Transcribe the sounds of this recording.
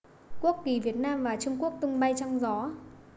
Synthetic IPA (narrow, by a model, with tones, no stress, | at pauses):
ku˦˥əkki˨˩vi˨˩ət̚naː˧mvaː˨˩t͡ɕʊ˧ŋ͡mku˦˥ək̚t̪ʊ˧ŋ͡mɓa˧jt͡ɕɔ˧wŋ͡mzɔ˨˦